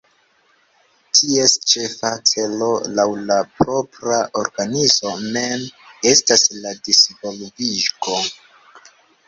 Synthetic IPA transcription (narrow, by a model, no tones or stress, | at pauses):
tʰie̞st͡ʃe̞fat͡se̞lo̞lawlapɾo̞pɾaʔo̞ɾɡanizo̞me̞me̞stasladisvo̞lviʃɡo̞